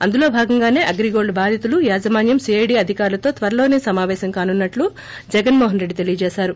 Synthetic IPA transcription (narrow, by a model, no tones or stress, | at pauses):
ɐnd̪uloːbʱaːɡɐŋɡaːne̞ːʔɐɡɾiɡoːɭɖbaːd̪ʱjɐt̪ulujaːd͡ʒɐmaːnjɐmsiɐjɖiːɐd̪ʱikaːɾlɐt̪o̞ːt̪ʋɐɾɐlo̞ːneːsɐmaːʋɛːʃɐmkaːnunːɐʈlu | d͡ʒɛɡɐnmɔːɦɐnɾe̞ɖːit̪e̞lijɐd͡ʒɛːʃaːɾu